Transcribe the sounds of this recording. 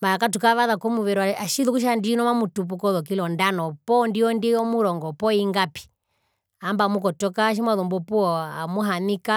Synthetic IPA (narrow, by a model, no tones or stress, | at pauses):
maakatukaʋaðakɔmuʋɛɾuaaʃiðukuʃ̬andinɔmamutup̬ukɔðɔk̬ilɔndanɔpɔndiɔndiɔmuɾɔŋɡɔpɔiŋɡapi̥ | ambamukɔtɔkaːʃ̬imwaðɔmbɔpuɔa̰muɦanika